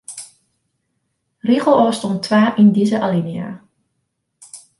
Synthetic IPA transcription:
riχəlˠɔːstɔntʰʋaːʔindizəʔalinia̰

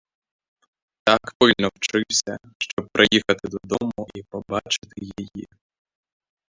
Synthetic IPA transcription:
t̪akpɪlʲnɔwt͡ʃɪwsʲɐ | ʃt͡ʃɔb̚pɾʔɪjixɐt̪ɪd̪ɔd̪ɔmʊipɔbɑt͡ʃɪ̥t̪ɪjijḭ

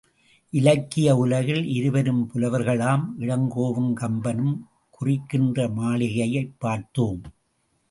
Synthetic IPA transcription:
ʔɪlɐkːɪjɐʊlɐɣɪlɪɾɯʋɐɾɯmpʊlɐʋɐɾɣɐɭaːmʔɪɻɐŋɡoːʋɯmkɐmbɐnɯm | kʊrɪkːɪndrɐmaːlɪɣɐjɐɪpːaːɾt̪oːm

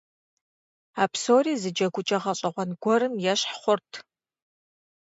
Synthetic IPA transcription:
aːpʰsoːɾiːzɨd͡ʒɐɡʷʊt͡ʃʼɐʁɐɕʼɐʁʷɔnɡʷɔɾɨmjɛɕħχʷʊrtʰ

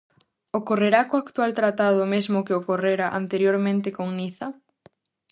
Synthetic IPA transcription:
okoreɾakoakt̪walt̪ɾat̪aðʊmezmʊkeokoreɾaʔa̰nt̪eɾjoɾmẽnt̪ɪkoŋniθa

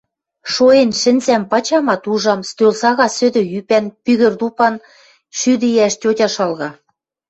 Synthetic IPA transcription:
ʃoenʃɘ̆nzæmpɑt͡ɕɑmɑt̪uʒɑmst̪ølsɑɣɑsø̆d̪ø̆jypænpyɣɘ̆rd̪upɑn | ʃyd̪ɘjæʃtʲotʲɑʃɑlɣɑ

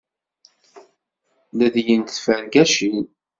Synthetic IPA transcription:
læðjənt̪θfænɡæʃin

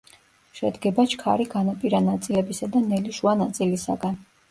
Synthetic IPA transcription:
ʃɛ̰d̪ɡɛbat͡ʃʰkʰa̰ɾiɡanapʼiɾanat̪sʼilɛbisad̪anɛliʃuanat̪sʼilisa̰ɡan

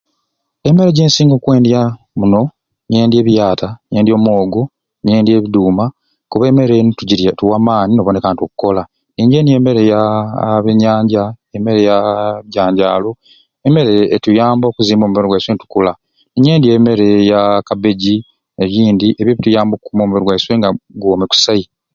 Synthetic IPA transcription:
e̞me̞ɾeɟe̞ːnsiːŋɡoːkwe̞ːndja | muno̞ | nieːndje̞ːβjaːtanje̞ːndjo̞ːmo̞ːɡo | nije̞ːndje̞ːβiduːma | kuβeːme̞ɾentuɟiɾatuwamaːninoβone̞kaːnto̞kuko̞la | niːɲɟenie̞ːme̞ɾejaβeɲaːɲɟaeme̞ɾe̞jaβjɟaːɲɟaːlo̞ | eme̞ɾe̞ːtujaːmbo̞ːkuziːmbo̞ːmumeɾewaiswenitu̥kula | niɲe̞ːndie̞ːme̞ɾe̞jakabe̞ɟi | eβjiːndiʔeβjeβitujaːmbokukumomumeɾowaisweŋɡaɡoːmeku̥sai

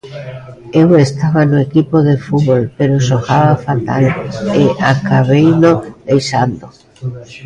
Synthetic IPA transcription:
ewest̪aβanoekipoðefuβolpeɾosoxaβafat̪a̰leʔakaβ̞ejnoejsand̪o

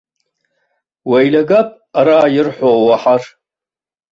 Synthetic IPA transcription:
wajlaɡapʼ | aɾaːjɪrħʷowaħar

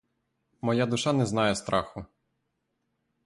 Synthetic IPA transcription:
mɔjad̪ʊʃɑnɛznɑjɛst̪ɾɑxʊ

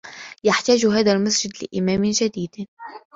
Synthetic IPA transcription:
jaħt̪aːʒʊɦaːðalmasd͡ʒɪd̪lɪ̰ʔɪmæːmʒad̪iːd̪

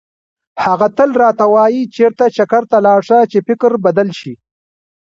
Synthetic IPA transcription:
haɣat̪əlɾɑːt̪awɑːjit͡ʃeɾt̪at͡ʃakaɾt̪alɑːɾʂat͡ʃefɪkɾbad̪alʃi

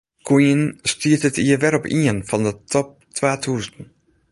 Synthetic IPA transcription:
kʰujənstyətətiəʋɛɾɔpiənvɑndətɔp̚tʋaːtʰuːstən̩

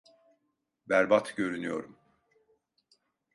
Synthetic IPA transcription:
bæɾbat̪ɟø̞ɾynyjo̞̰ɾum

